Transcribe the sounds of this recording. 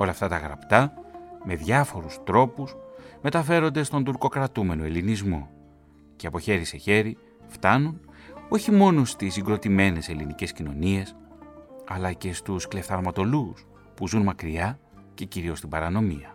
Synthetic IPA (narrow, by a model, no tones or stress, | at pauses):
o̞lɐft̪ɐt̪ɐɣɾɐ̰pt̪ɐme̞ðʝɐfo̞ɾust̪ɾo̞pusme̞t̪ɐfe̞ɾo̞nd̪e̞st̪o̞nd̪uɾko̞kɾɐt̪ume̞no̞e̞linizmo̞̰ | ceɐpo̞çe̞ɾise̞çe̞ɾi | ft̪ɐnuno̞çimo̞no̞st̪isiŋɡɾo̞t̪ime̞ne̞se̞linice̞scino̞̰nie̞s | ɐlɐce̞st̪uskle̞fθɐɾmɐt̪o̞lus | puzunmɐkɾiɐ | ce̞ciɾio̞st̪ibɐɾɐno̞mḭɐ